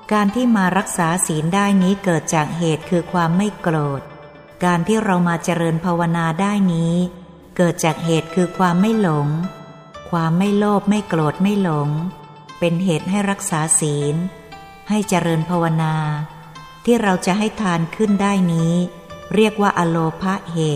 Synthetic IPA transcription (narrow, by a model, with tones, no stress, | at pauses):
kaː˧nt̪ʰiː˥˩maː˧ɾa˦˥k̚saː˩˦siː˩˦ndaː˥˩jniː˦˥kɤː˨˩t̪̚t͡ɕaː˨˩k̚ɦeː˨˩t̪̚kʰɯː˧kʰwaː˧mːa˥˩jkloː˨˩t̪̚ | kaː˧nt̪ʰiː˥˩ɾa˧wmaː˧t͡ɕa˧ɾɤː˧npʰaː˧wa˧naː˧daː˥˩jniː˦˥ | kɤː˨˩t̪̚t͡ɕaː˨˩k̚ɦeː˨˩t̪̚kʰɯː˧kʰwaː˧mːa˥˩jlo˩˦ŋ | kʰwaː˧mːa˥˩jloː˥˩p̚ma˥˩jkloː˨˩t̪̚ma˥˩jlo˩˦ŋ | pe˧nɦeː˨˩t̪̚ɦa˥˩jɾa˦˥k̚saː˩˦siː˩˦n | ha˥˩jt͡ɕa˧ɾɤː˧npʰaː˧wa˧naː˧ | t̪ʰiː˥˩ɾa˧wt͡ɕa˨˩ʔɦa˥˩jt̪ʰaː˧nkʰɯ˥˩ndaː˥˩jniː˦˥ | ɾi˥˩ək̚waː˥˩ʔa˧loː˧pʰa˦˥ʔheː˨˩t̪̚